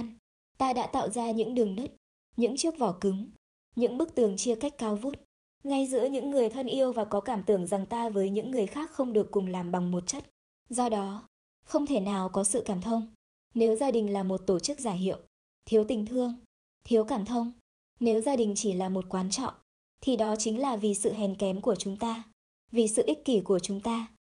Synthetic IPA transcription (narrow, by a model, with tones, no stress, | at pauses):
n | t̪aː˧ɗa̰ː˧˥t̪a̰ː˧˨wzaː˧ɲɨ̰˧˥ŋɗɨ˨˩əŋnə˦˥t̚ | ɲɨ̰˧˥ŋt͡ɕɨ˦˥ək̚vɔ˧˩kɨ˨˦ŋ | ɲɨ̰˧˥ŋɓɨ˦˥k̚t̪ɨ˨˩əŋt͡ɕi˧əka˦˥jk̟̚kaː˧wvu˦˥t̚ | ŋa˧jzɨ̰˧˥əɲɨ̰˧˥ŋːɨ˨˩əjt̪ʰə˧nʔi˧əwvaː˨˩kɔ˨˦kaː˧˩mt̪ɨ˧˩əŋza˨˩ŋt̪aː˧vəː˨˦jɲɨ̰˧˥ŋːɨ˨˩əjxaː˦˥k̚xə˧wŋ͡mɗɨ˨˩əkːʊ˨˩ŋ͡mlaː˨˩mɓa˨˩ŋmo˨˩t̚t͡ɕə˦˥t̚ | zɔ˧ɗɔ˨˦ | xə˧wŋ͡mt̪ʰe˧˩naː˨˩wkɔ˨˦sɨ̰˧˨kaː˧˩mt̪ʰə˧wŋ͡m | ne˨˦wzaː˧ɗï˨˩ŋ̟laː˨˩mo˨˩t̚t̪o˧˩t͡ɕɨ˦˥k̚zaː˧˩jɦḭ˧˨ə˨w | t̪ʰi˨˦əwt̪ï˨˩ŋ̟t̪ʰɨ˧əŋ | t̪ʰi˨˦əwkaː˧˩mt̪ʰə˧wŋ͡m | ne˨˦wzaː˧ɗï˨˩ŋ̟t͡ɕi˧˩laː˨˩mo˨˩t̚kwaː˨˦nt͡ɕɔ̰˧˨ŋ͡m | t̪ʰi˨˩ɗɔ˨˦t͡ɕï˨˦ŋ̟laː˨˩vi˨˩sɨ̰˧˨ɦɛ˨˩nkɛ˨˦mku˧˩ət͡ɕʊ˨˦ŋ͡mt̪aː˧ | vi˨˩sɨ̰˧˨ʔi˦˥k̚ki˧˩ku˧˩ət͡ɕʊ˨˦ŋ͡mt̪aː˧